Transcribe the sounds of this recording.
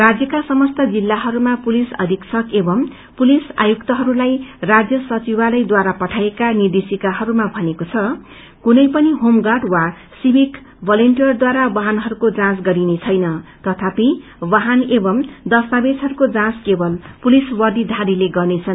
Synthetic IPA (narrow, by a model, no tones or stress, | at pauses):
rad͡zjʌkasʌmʌst̪ʌd͡zilːaɦʌɾumapulisʌ̰d̪ʱiksʰʌkebʌm | pulisa̰jukt̪ʌɦʌɾulajrad͡zjʌsʌt͡sibalʌjd̪waɾapʌʈʰaekanird̪isikaɦʌɾumabʱʌnekot͡sʰʌ | kunʌjpʌniɦomɡaʈwa | sibʱik | bʱʌlʌɳʈijʌrd̪waɾabʌɦanɦʌɾukod͡zãsɡʌɾinet͡sʰʌjnʌt̪ʌt̪ʰapii | bʌɦanebʌmd̪ʌst̪abesʰɦʌɾukod͡zãskebʌlpuliswʌd̪id̪ʱaɾileɡʌrnet͡sʰʌn